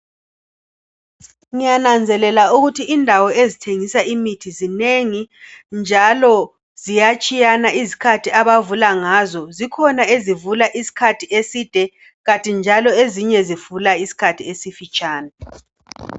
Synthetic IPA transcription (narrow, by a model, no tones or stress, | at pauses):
ŋijanand͡zʱɛlɛlauɣutʰiʔːndʱawɔezitʰeŋisaʔimitʰizineŋind͡ʒʱalɔ | zijat͡ʃʼijanaizikʰatʰiaβavulaŋazɔzikʰɔnaezivulaʔisi̥kʰatʰiesid̥ʱɛ | ɣatʼind͡ʒʱalɔeziɲɛziv̥ulaisi̥kʰatʰiesifit͡ʃʼaːna